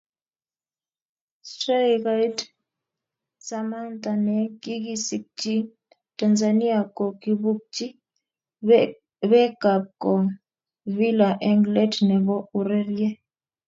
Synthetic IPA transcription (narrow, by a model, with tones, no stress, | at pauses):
sta˦ka˦i˦t | sa˦ma˦ntʼa˨nɛ˨ki˦ki˦si˦k̚ti˦ | ta˨nza˨ni˦a˨kɔ˨ki˦βu˦k̚ti˦ | βɛ˦ɡ̥a˨b̚kɔ˨ | vi˦la˨ʔɛ˦ŋɡlɛ˦dnɛ˨βɔ˦u˨ɾɛ˦ɾiɛ˦